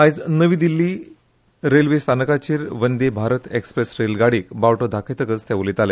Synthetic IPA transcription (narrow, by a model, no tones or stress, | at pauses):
ad͡znəʋiːd̪ilːiː | ɾelʋest̪ʰanəkat͡ɕiːɾʋənd̪ebʱaɾət̪ekspɾesɾelɡaɽiːkbawʈod̪ʱakʰet̪əkət͡st̪jaʋulit̪ale